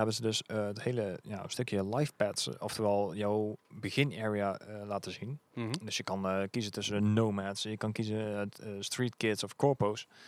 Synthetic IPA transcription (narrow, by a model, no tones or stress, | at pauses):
ɦɛbənzədɵsəəthejləja̰ːə̰støkjəlɑjfpɛtsɔftəʋɛlˠjɔwbəɣɪneːɹiaəlaːtəzindɵsjəkɑnkizətɵsəndənowmɛtsjəkɑnkizəstriːtkɪtsɔfkɔɹpows